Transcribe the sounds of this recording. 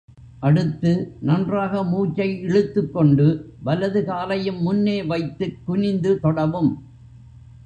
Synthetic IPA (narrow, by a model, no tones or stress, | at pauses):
ʔɐɽɯt̪ːɯnɐndraːɣɐmuːt͡ʃːɐɪɪɭɯt̪ːɯkːɔɳɖɯ | ʋɐlɐðɯkaːlɐjɯmːʊnːeːʋɐɪt̪ːɯkːʊnɪnd̪ɯt̪ɔɽɐʋɯm